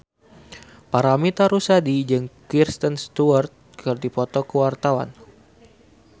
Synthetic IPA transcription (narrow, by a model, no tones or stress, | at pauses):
paɾamit̪aɾusadid͡ʒɨŋkirst̪ənst̪uərt̪̚kərt̪ipɔt̪ɔkəwart̪awa̰n